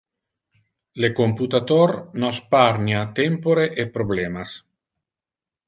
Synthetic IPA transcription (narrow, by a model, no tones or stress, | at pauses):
lekomput̪at̪oɾnɔspaɾnjat̪empoɾeʔepɾoblemas